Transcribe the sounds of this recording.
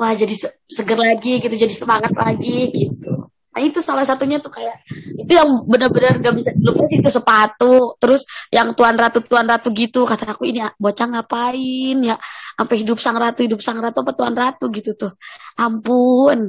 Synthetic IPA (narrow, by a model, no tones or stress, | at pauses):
wahd͡ʒadisəsəɡərlaɡiɡit̪ud͡ʒadisəmaŋat̪̚laɡiɡit̪ṵ | nait̪usalahsat̪uɲat̪ʊkajaʔit̪ujaŋbənərbənərɡaʔbisadilupasit̪usəpat̪ut̪əɾʊsjʔaŋt̪uanrat̪ut̪uanrat̪uɡit̪ukat̪aːkuiniabot͡ʃaŋapaɪnjaʔampaɦidʊp̚saŋɾat̪uhidʊp̚saŋɾat̪uapat̪uanrat̪uɡit̪ut̪ʊhʔampun